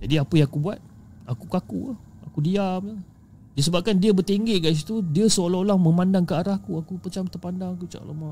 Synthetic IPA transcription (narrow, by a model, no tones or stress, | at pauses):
d͡ʒadiapəjaŋakubuat̪̚ | akukaku | akudiamə | disəbap̚kandiəbərt̪eŋɡeʔɡajs̬it̪udiəsəolaolaŋmə̃mandaŋkəaɾahkuakupət͡ʃamt̪ərpandaŋakut͡ʃa̰ʔla̰ma